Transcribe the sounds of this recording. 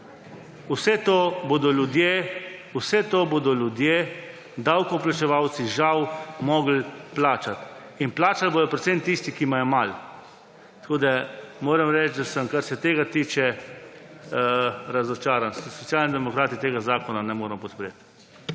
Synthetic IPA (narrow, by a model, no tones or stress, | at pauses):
usɛt̪obod̪ɔlʲjud̪jeusɛt̪oːbod̪ɔlʲjud̪je | d̪awkɔplat͡ʃɛʋawt̪siʒawmɔːɡl̩plaːt͡ʃat̪ | inplaːt͡ʃalbod̪ɔpɾɛt̪semt̪ist̪ikimajɔmal | t̪koːd̪amoːɾəmɾɛt͡ʃd̪asəmkaɾsɛt̪eːɡat̪iːt͡ʃɛ | ɾazɔt͡ʃaːɾanssɔt̪sjaːlnid̪ɛmɔkɾaːt̪it̪eːɡazaːkɔnanɛmoːɾəmpɔt̪pɾet̪